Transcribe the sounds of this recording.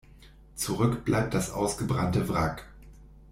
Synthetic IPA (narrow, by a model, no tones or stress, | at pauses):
t͡suʁʏkb̥lʔa̰ɪp̚t̚d̥asʔa̰ʊsɡ̥əbʁantəvʁak